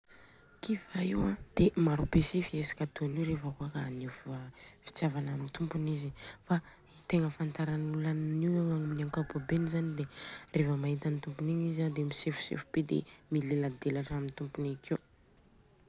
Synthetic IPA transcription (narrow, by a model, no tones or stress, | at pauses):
kivaiwãd̪̥emaɾubesifiesḁkʲat̪oniwɾefakoakanivuəfi̥t͡sjavananint̪umpunizifa | it̪eŋəfant̪aɾanulanniwaŋaŋminaŋkabobenizanid̪erefəmaɦit̪anit̪umpuniɲizad̪emisefu̥sḛfubed̪ḛmilelad̪elaʈ͡ʂaamint̪umpunikew